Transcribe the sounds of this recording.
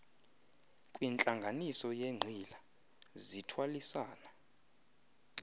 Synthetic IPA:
kʼwint͡ɬʼaŋɡʱanisɔjeŋ͡ǀʱila | zitʰwalisaːna

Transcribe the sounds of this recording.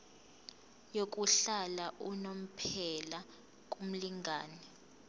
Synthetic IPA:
jok̬ʼuɬalaʔunom̩pʰɛla | k̬ʼum̩liŋɡʱaːnɛ

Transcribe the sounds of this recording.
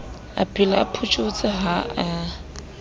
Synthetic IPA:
a̰pʰʼilapʰut͡ʃʼot͡sʼɪɦaa

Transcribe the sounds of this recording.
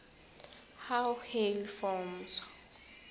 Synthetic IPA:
hawhelfɔms

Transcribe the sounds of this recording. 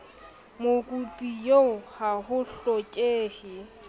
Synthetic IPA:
mokʼupʼijoʊhahʊɬɔkʼeːhɪ

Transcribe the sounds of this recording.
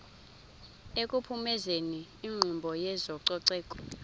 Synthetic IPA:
ekʼupʰumɛzeniːŋ͡ǃʱumbʱɔjɛzɔǀɔǀɛːkʼɔ̥

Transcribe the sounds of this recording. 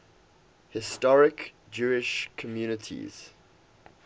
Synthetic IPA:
hɪstɔɹɪk | d͡ʒuːɪʃkʰəmjuːnətʰḭz̥

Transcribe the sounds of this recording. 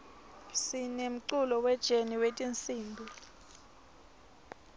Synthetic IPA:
sinem̩ǀulɔwɛd̥ʒ̥ʱeniwetʼint͡sʼiːnbʱu

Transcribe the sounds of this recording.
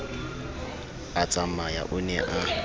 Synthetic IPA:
at͡sʼamaja̰ʔʊnɛʔa

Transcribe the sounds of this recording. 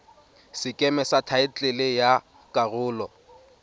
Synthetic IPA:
sɪkʼɛmɛsatʰaɪt͡ɬʼɪlɪja | kʼarʊːlɔ

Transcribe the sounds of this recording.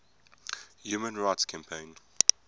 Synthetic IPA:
juːmə̃nɹaɪtskʰæ̃mpʰẽɪ̃n

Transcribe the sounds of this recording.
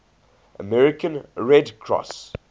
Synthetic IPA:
ʔə̰mɛɹɪkʰə̃nɹɛdkʰɹɔ̰s

